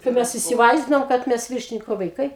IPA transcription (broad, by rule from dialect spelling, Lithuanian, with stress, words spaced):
tɐɪ ˈmʲɛs ɪsʲɪˈʋɐɪzʲdʲɪnoːm kɐt ˈmʲɛs ˈʋʲɪrʲʃʲɪnʲɪkoː ʋɐɪˈkɐɪ